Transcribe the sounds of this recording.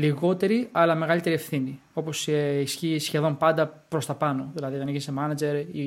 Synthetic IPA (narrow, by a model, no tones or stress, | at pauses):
liɣo̞t̪e̞ɾiɐlɐme̞ɣɐlit̪e̞ɾiefθini | o̞po̞seisçisçe̞ðo̞mpɐnd̪ɐpɾo̞st̪ɐpɐno̞ðilɐðiot̪ɐnʝinesemɐnɐd͡ʒe̞ɾi